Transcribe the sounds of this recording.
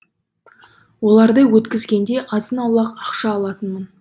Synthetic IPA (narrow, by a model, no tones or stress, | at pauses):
wo̞lˠɑɾd̪əwɵt̪kʲɪzɡʲe̞nd̪e̞ʔɑzənɑwlˠɑqɑqʃɑːlˠɑt̪ənmən